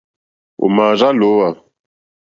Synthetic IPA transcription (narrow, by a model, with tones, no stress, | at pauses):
o̰˨ma˨za˦lo˨˦wa˨